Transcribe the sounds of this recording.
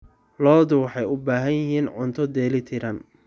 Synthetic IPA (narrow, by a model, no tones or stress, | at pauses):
lɔːd̪ʊwɑħɑjʊbaːɦɐnjɪɦiːnʕʊnt̪ʰɔd̪ɛːlɪt̪ʰɪɾɐn